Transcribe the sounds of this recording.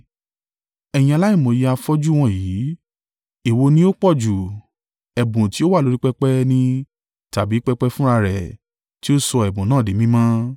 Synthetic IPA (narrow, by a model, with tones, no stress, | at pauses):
ɛ˨j̃ĩ˧a˧la˦i˦˨mõ˨ji˦a˧fɔ˦d͡ʒu˦w̃ɔ̃˦˨jiː˨˦ | i˦˨wo˧nĩ˦o˦k͡pɔ˦˨d͡ʒu˨ | ɛ˨bũ˨ti˨˦o˦wa˦˨lo˦ɾi˦k͡pɛ˦k͡pɛ˦nĩ˧ | ta˨bi˨˦k͡pɛ˦k͡pɛ˦fũ˦ɾa˧ɾɛ˨ | ti˦o˦sɔ˧ɛ˨bũ˨nãː˦˨de˨˦mĩ˦mã˦